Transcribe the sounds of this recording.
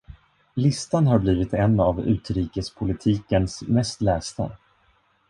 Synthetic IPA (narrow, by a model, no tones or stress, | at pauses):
lɪst̪anɦaɾbliːvɪt̪ɛnːavʉ̟̰ːt̪ɾiːkəspʰʊlɪt̪ʰiːkənsmɛst̪lɛːst̪a̰